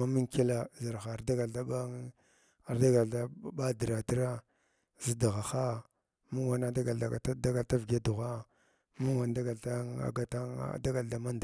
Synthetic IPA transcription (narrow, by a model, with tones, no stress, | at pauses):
a˦mi˦ŋke˦la˦za˨ɾxa˨ɾda˦ɡa˨la˦ba˦ | a˨ɾda˦ɡa˨a˦ba˦di˨ɾa˨ti˦ɾa˦ | zi˦da˨ɣa˨xa˦ | mu˦wa˨na˦da˦ɡa˨lda˨ɡa˨˦da˦ɡa˨lta˦vɡa˦du˨ɣa˦ | mu˦wa˨nda˦ɡa˨ta˦a̰˨ɡa˦ta̰˦˨da˦ɡa˨lda˨ma˦nd